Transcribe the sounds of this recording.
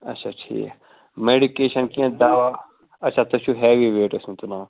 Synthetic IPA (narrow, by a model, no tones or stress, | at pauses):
ɐ̰tːʃʰaːʈʰḭːk | meːɖikeːʃənkiãd̪aːʋa | ɐtːʃʰaːt̪ɐt͡ʃʰuːɦɛːʋiʋeːʈɐsũt̪unaː